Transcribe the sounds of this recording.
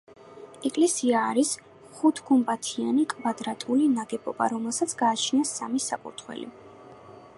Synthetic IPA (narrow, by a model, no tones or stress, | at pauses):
ɛkʼlɛsiaːɾis | χut̪ʰɡumpʼat̪ʰianikʼvad̪ɾat̪ʼulinaɡɛpʼɔba̰ɾɔmɛlˠsat̪sʰɡ̥aːt͡ʃʰniasamisakʼṵɾt̪ʰχwɛ̰lḭ